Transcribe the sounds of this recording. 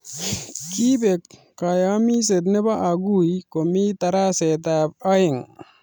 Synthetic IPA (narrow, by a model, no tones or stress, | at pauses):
kibekː | ajamis̬ed̪nebaʔaɡujkomit̪aɾaset̪ap̚ajeŋ